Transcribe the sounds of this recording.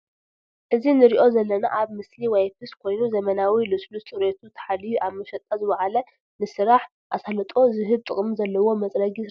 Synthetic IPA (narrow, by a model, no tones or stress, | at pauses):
ʔɨzinɨɾiʔo̞zɐlːɐna̰ʔaβmɨsliwɐjfɨskʰo̞jnuzɐmɐnawilɨsʼlut͡sʼɨɾet̪ʰut̪ʰɐ̥ħalijuʔaβmɐʃɐt̪ʼɐzɨβaʕalɐ | nɨsɨɾaħ | ʔasalɐt̪ʼo̞zɨɦɨβ̚t̪ʼɨkʼmzɐlːɐwo̞mɐt͡sʼɾɐɡi